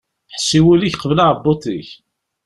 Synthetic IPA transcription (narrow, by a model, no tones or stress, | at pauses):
ħsːiwuliçqəvlaʕəbːot̪ˤiç